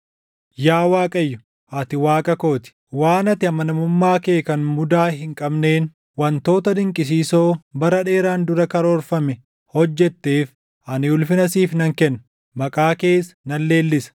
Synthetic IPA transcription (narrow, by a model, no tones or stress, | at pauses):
jaːwaːkʼɐjːʊ | ʔɐt̪ɪwaːkʼɐko̞ːt̪ɪ̥ | waːnɐt̪ɪɐmɐnɐmʊmːaːkeːkɐnmʊd̪aːɦɪŋkʼɐbne̞ːn | wɐnt̪o̞ːt̪ɐd̪ɪŋkʼɪs̬iːso̞ːbɐɾɐᶑe̞ːɾaːnd̪ʊɾɐkɐɾoːɾfɐmɛ | hɔd͡ʒːɛt̪ːeːf | ʔɐnɪʊlfɪnɐsiːfnɐŋkɛnːɐ | mɐkʼaːkeːsɐ̥nɐlːe̞ːlːɪsɐ̥